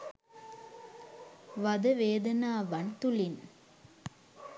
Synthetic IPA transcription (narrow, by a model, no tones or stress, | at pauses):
ʋɐðɐʋeːd̪ɐnaːʋɐnt̪ʊlɪn